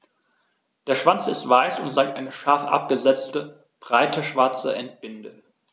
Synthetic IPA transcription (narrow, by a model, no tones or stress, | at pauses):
d̥eːɐʃv̥ant͡sɪstv̥aɪsʊntz̥aɪk̚tʔaɪnəʃaɐfʔa̰p̚ɡ̥əzɛt͡stə | b̥ʁaɪtʰəʃv̥aɐt͡sə̰ʔɛnt̚b̥ɪndə